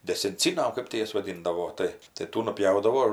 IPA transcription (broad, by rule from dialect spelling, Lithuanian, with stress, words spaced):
dʲɛsʲɛnʲˈt͡sʲiːnɐ ɐr ˈkɜp tʲɪ ˈjɛs ʋɐˈdʲɪndɐʋoː ˈtɐɪ tɐɪ ˈtuː nʊˈpʲjɛʊdɐʋoː